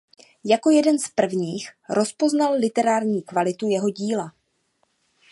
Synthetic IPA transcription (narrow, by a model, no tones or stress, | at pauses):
jako̞jɛdɛnspr̩vɲiːxɾʔo̞spo̞znalːɪt̪ɛɾaːɾɲiːkvalɪt̪ujɛɦo̞ɟiːla